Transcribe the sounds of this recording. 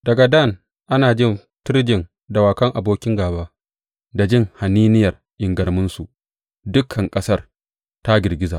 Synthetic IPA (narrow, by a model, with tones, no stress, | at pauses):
dɐ˨ɡa˨dɐ˦˨n | ʔa˦naː˨d͡ʒɪ˦n | tɪ˦ɾd͡ʒɪ˨n | da˨waː˨kɐ˦ŋʔa˨boː˦kʲɪ˦ŋɡaː˨baː˦ | da˨d͡ʒɪ˦˨ŋha˨niː˦nɪ˦jɐ˨r | ʔɪ˨ŋɡɐ˨ɽmʊ˦nsu˨ʔ | dʊ˦kʰɐ˨ŋkʼɐ˦sɐ˦r | ta˦ɡʲɪ˨ɡʲɪ˦za̰ː˨